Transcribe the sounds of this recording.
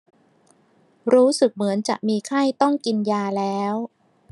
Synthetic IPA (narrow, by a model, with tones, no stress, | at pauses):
ɾuː˦˥sɯ˨˩k̚mɯ˩˦ənt͡ɕa̰˨˩ʔ̚miː˧kʰa˥˩jt̪ɔ˥˩ŋki˧njaː˧lɛː˦˥w